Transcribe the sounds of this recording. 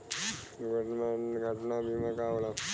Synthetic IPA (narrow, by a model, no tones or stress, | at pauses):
ɡəʈmanɡʱəʈnamimakaʋla